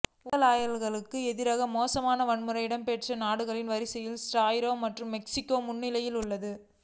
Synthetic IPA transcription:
ʊɣɐlaːjɐlɣɐɭɯkːɯɛðɪɾɐɣɐmoːsɐmaːnɐʋɐɳmɯɾɐjɪɽɐmpeːʈrɐnaːɽɯɣɐɭɪnʋɐɾɪsɛjɪlsʈaːjɾoːmɐʈrɯmːɛksɪkːoːmʊɳːɪlɐjɪlʊɭːɐðɯ

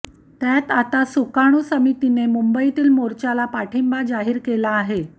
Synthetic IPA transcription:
t̪jat̪at̪asukaɽ̃uːsəmit̪inemumbəit̪iːlmoɾt͡ɕalapaʈʰembad͡zaɦiːɾkelaːɦe

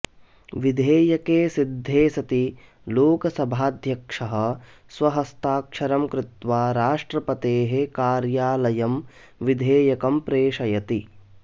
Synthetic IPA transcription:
ʋid̪ʱeːjɐkeːsid̪ʱːeːsɐt̪i | loːkɐsɐbʱaːd̪ʱjɐkʂɐɦɐ̆ | sʋɐɦɐst̪aːkʂɐɾɐmkɾɪt̪ʋaːɾaːʂʈɾɐpɐt̪eːɦekaːɾjaːlɐjɐm | ʋid̪ʱeːjɐkɐmpɾeːʂɐjɐt̪i

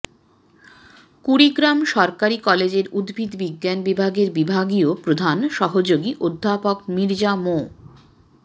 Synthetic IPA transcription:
kuɾiɡɾamʃɔɾkaɾikɔled͡ʑeɾud̪bʱid̪biɡːanbibʱaɡeɾbibʱaɡiopɾod̪ʱanʃɔɦod͡ʑoɡiʔod̪ʱːapokmiɾd͡ʑamo

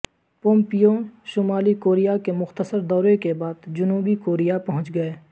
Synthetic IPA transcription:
põːmpijõʃʊmaːlikoːɾijakemʊxt̪əsəɾd̪ɔːɾekebaːd̪d͡ʒʊnuːbikoːɾijapɐɦʊ̃t͡ʃɡɐeː

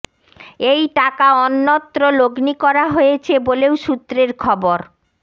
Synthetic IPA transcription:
ejʈakaɔnːɔt̪ːɾoloɡnikɔɾaɦojet͡ɕʰebolewʃut̪ːɾeɾkʰɔboɾ

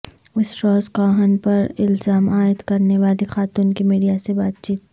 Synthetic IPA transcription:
ɪsʈɾɔːskaːɦənpɐɾɪlzaːmaːɪd̪kɐɾneʋaːlixaːt̪uːnkimiːɖijasebaːt̪̚t͡ʃiːt̪

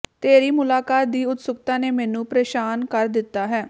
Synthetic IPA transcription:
t̪eːɾiːmʊlaːkaːt̪̚d̪iːʊt̪sʊk̚t̪ãːneːmɛːnũːpɾeːʃaːnkəɾd̪ɪt̪ːaːɦɛː

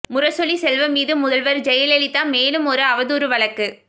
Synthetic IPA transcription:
mʊɾɐsɔlisɛlʋɐmiːðɯmʊðɐlʋɐɾd͡ʒɛjɐlɛlɪt̪ːaːmeːlɯmɔɾɯɐʋɐðuːɾɯʋɐɭɐkːɯ

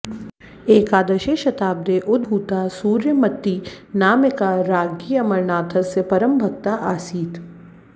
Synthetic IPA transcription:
eːkaːd̪əʃeʃɐt̪aːb̚d̪eʔʊd̪̚bʱuːt̪asuːɾjəmɐt̪ːinaːmekaɾaːɡiːɐmɐɾnaːt̪ʰɐsepɐɾəmbʱɐk̚t̪aʔaːsiːt̪

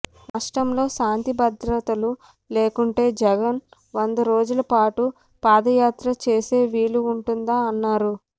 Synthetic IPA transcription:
naːʂʈɐmlo̞ːʃaːnt̪ibɐd̪ɾɐt̪ɐlu | le̞ːkuɳʈe̞ːd͡ʒɛɡɐn | ʋond̪ɐɾo̞ːd͡ʒulɐpaːʈu | paːd̪ɐjaːt̪ɾɐt͡ʃe̞ːse̞ːʋiːluːɳʈund̪aːɐnːaːɾu

